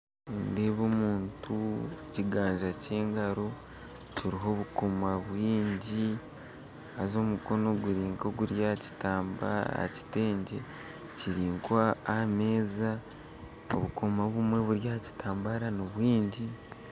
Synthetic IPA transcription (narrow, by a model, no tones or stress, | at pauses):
ndeːβomuːntʰuciɡaːɲʒace̞ːŋɡaɾo̞ | ciɾiɦo̞βuko̞maβwiːɲɟi | azo̞muko̞no̞ɡuɾiːŋkoɡuɾjaci̥taːmba̰a̰ci̥te̞ːɲɟe̞ | ciɾiːŋkwaːme̞ːza | o̰βukʰo̞maβumwe̞βuɾjaci̥tʰaːmbaɾanoβwiːɲɟi